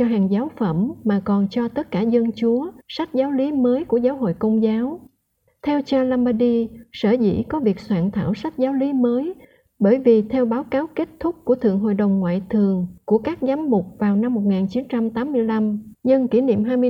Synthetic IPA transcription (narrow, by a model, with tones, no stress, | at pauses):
ɔ˧ɦaː˨˩ŋzaː˨˦wfə˧˩mmaː˨˩kɔ˨˩nt͡ɕɔ˧t̪ə˦˥t̚kaː˧˩zə˧nt͡ɕu˨˦əsa˦˥jk̚zaː˨˦wli˨˦məː˨˦jku˧˩əzaː˨˦wɦo̰˧˨jkə˧wŋ͡mzaː˨˦w | t̪ʰɛ˧wt͡ɕaː˧laː˧mɓaː˧ɗi˧səː˧˩zḭ˧˥kɔ˨˦vi˨˩ək̚swaː˧˨nt̪ʰa̰ː˧˩wsa˦˥jt̚zaː˨˦wli˨˦məː˨˦j | ɓəː˧˩jvi˨˩t̪ʰɛ˧wɓaː˨˦wkaː˨˦wke˦˥t̚t̪ʰʊ˦˥k͡p̚ku˧˩ət̪ʰɨ̰˧˨əŋɦo̰˧˨jɗə˨˩wŋ͡mŋwa̰ː˧˨jt̪ʰɨ˨˩əŋku˧˩əkaː˦˥k̚zaː˨˦mmʊ˨˩k͡p̚vaː˨˩wna˧mːo˨˩t̚ŋaː˨˩nt͡ɕi˨˦nt͡ɕa˧mt̪aː˨˦mːɨ˧əjla˧mɲə˧ŋki˧˩nḭ˧˨əmɦaː˧jmɨ˧